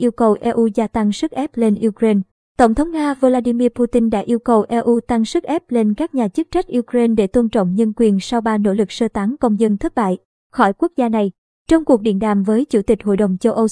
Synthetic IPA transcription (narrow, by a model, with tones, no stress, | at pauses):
ʔi˧əwkə˨˩wʔɛ˧ʔu˧zaː˧t̪a˧ŋsɨ˦˥k̚ʔɛ˦˥p̚le˧nʔi˧kɾe˧n | t̪ə˧˩wŋ͡mt̪ʰə˨˦wŋ͡mŋaː˧vo˧laː˧ɗi˧mi˧pu˧t̪i˧nɗa̰ː˧˥ʔi˧əwkə˨˩wʔɛ˧ʔu˧t̪a˧ŋsɨ˦˥k̚ʔɛ˦˥p̚le˧nkaː˦˥k̚ɲaː˨˩t͡ɕɨ˦˥k̚t͡ɕa˦˥k̟̚ʔu˧kɾe˧nɗe˧˩t̪o˧nt͡ɕɔ̰˧˨wŋ͡mɲə˧nkwi˨˩ənsa˧wɓaː˧no̰˧˥lɨ˨˩k̚səː˧t̪aː˨˦ŋkə˧wŋ͡mzə˧nt̪ʰə˦˥t̚ɓa̰ː˧˨j | xɔ˧˩jku˦˥ək̚zaː˧na˨˩j | t͡ɕɔ˧wŋ͡mku˨˩ək̚ɗḭ˧˨ənɗa̰ː˨mvəː˨˦jt͡ɕu˧˩t̪ï˨˩k̟̚ho̰˧˨jɗə˨˩wŋ͡mt͡ɕə˧wʔə˧w